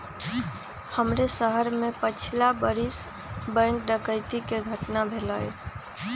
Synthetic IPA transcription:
həmɾesəɦəɾmepət͡ʃʰlabəɾis | bə̃ŋkɖəkəɪt̪ikeɡʱəʈnabʱeləj̰

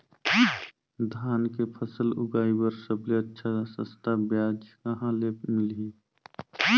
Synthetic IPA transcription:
d̪ʱaːnkepʰəsəlʊɡaːibəɾsəbleətːʃʰasə̰̃st̪ʰabjaːd͡ʒkəɦãlemɪli

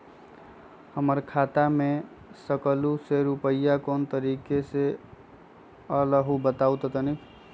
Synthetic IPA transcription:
həməɾkʰat̪ame | səkluseɾupəjːakoːnt̪əɾiːkese | ələɦubət̪aut̪ɔt̪ənikʰ

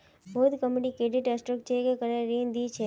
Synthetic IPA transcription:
boːd̪kəmeɖikɾeɖiʈəsʈɾəkt͡ʃʰekekəɾeɾiːnd̪it͡ʃʰe

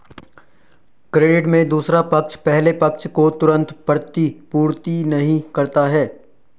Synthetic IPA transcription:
kɾeːɖɪʈmẽd̪uːsɾapɐkt͡ʃʰpɛɦlepɐk̚t͡ʃʰkot̪ʊɾə̃nt̪pɐɾt̪ipuːɾt̪inɐɦĩkɐɾt̪aɦɛː

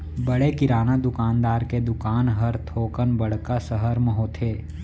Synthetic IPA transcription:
bəɽekɪɾaːnad̪ʊkaːnd̪aːɾked̪ʊkaːnɦəɾt̪ʰoːkənbəɽ̤kasəɦəɾməɦoːt̪ʰeː

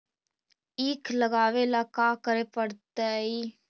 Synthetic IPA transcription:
ɪkʰləɡaːʋeːlaːkaːkəɾeːpəɽt̪ɛːiː

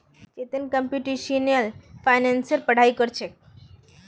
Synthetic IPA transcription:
t͡ɕet̪ənkəmpjuʈiʃinəlfajnensəɾpəɽ̤aikəɾt͡ʃʰe

